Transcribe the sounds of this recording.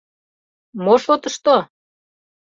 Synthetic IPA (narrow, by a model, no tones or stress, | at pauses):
moʃot̪əʃt̪o